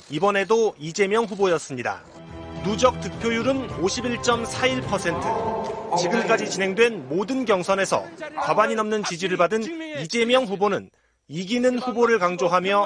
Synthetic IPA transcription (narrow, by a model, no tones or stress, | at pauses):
ibʌne̞doid͡ʑe̞mjʌŋɸubojʌs͈ɯmɲida̰ | nud͡ʑʌk̚t͈ɯk̚pʰjojuɾɯnoɕʰibiɭt͡ɕ͈ʌmsʰaiɭpʰʌsʰe̞ntʰɯt͡ɕiɡɯmk͈ad͡ʑit͡ɕinɦe̞ŋdwe̞nmodɯnɡjʌŋsʰʌne̞sʰʌ̰kabaɲinʌmnɯnt͡ɕid͡ʑiɾɯɭpadɯnid͡ʑe̞mjʌŋɸubonɯn | iɡinɯnɸuboɾɯɭkaŋd͡ʑoɦamjʌ